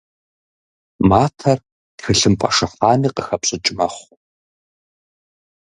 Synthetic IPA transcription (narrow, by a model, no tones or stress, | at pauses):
maːtʰɐr | txɨɬɨmpʼɐʂɐfaːmiːqəxɐpɕʼɪt͡ʃʼɪmɐχʷ